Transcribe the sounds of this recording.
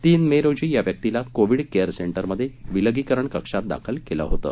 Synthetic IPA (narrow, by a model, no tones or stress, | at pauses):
t̪iːnmeɾod͡ʑiːjaʋjək̚t̪ilat̪koʋiɽkejəɾseɳʈəɾməd̪ʱːjeʋiləɡikəɾəɳkəkʂat̪̚d̪a̰kʰəlkelə̰ɦot̪ə̰ː